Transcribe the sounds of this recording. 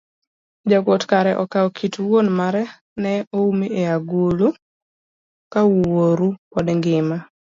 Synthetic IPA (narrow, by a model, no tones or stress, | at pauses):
d͡ʒakwotkaɾɛʔɔkaɔkʰitwonmaɾɛ | nɛoumieaɡulu | kawwoɾukɔdŋɡɪma